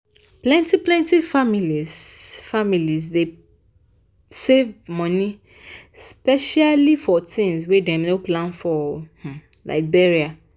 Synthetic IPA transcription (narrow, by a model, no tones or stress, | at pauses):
plɛ̃ntiplɛ̃ntifamilizfamiliz̬de | sevmɔ̃nĩ | spɛʃalifɔtʰɪ̃nzwedemnoplãnfɔh̩ | la̰ɪk̚bɛɹia